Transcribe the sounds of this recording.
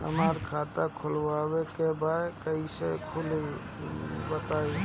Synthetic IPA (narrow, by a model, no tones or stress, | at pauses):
ɦə̰məɾkʰat̪akʰulbabekebaekəisekʰuli | bət̪ai